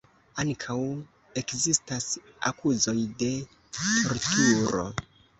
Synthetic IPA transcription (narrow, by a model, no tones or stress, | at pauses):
aŋkʰaw | e̞kzistasa̰kʰuzo̞jde̞ | tʰo̞ɾtuɾo̞̰